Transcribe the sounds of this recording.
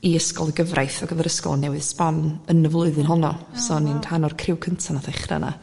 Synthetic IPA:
iəskɔlˠəɡəvrʔajθɔɡəðaɾəskɔ̰lˠnɛwɨðsbanənəvlˠʊɨðɨnɦɔnɔsɔninhanɔrkʰrɪwkʰəntʰanataɪχra̰nʔa̰

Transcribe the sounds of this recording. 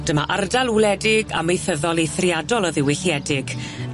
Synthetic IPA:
d̥əmaʔardalˠulˠɛdɪɡa̰mejθəðɔlˠejθriadɔlˠɔðɪwɪɬiɛdɪɡ̥

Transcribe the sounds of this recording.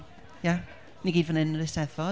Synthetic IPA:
ja | niɡiːdvənɪnəɾɪstɛðvɔ

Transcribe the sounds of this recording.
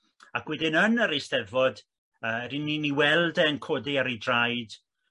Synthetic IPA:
akʰwɪdɪnənəɾestɛvɔd | əːɾɪniniwɛlˠdɛənkʰodiaɾedrajd̥

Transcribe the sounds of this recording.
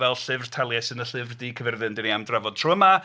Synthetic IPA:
vɛlˠɬɨvrtʰalˠjɛsɨnəɬɨvrdiːkʰəvɪrðɨndɪniamdravɔd̥̚tʰrɔəma

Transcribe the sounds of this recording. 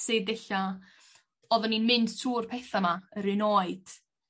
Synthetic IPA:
sɪdɛɬa | ɔðɔninmɪnd̥tʰuːrpʰɛθamaəɾɪnoːɨd̥

